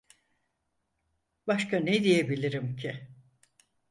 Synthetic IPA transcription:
baʃkʰaned̪ijebilʲiɾimcʰi

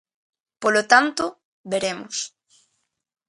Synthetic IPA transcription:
polot̪ant̪o | βeɾemos

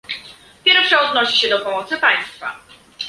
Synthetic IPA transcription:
pʲjɛɾfʂɛɔd̪̚nɔɕiɕɛd̪ɔpɔmɔt̪sɘpaj̃st̪fa̰

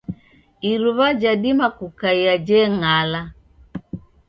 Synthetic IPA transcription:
iɾuβad͡ʒadimakukaiad͡ʒɛŋala

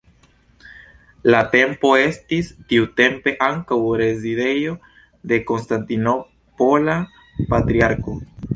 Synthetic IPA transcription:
late̞mpo̞e̞stistiute̞mpe̞ʔaŋkawɾe̞zide̞jo̞ | de̞ko̞nstantino | pola | patɾiaɾko̞

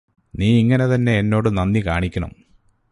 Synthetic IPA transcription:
niːiŋːɐne̞t̪ɐnːe̞ːnːo̞ːɽɨnɐnːikaːɳikʲːɐɳɐ̰m

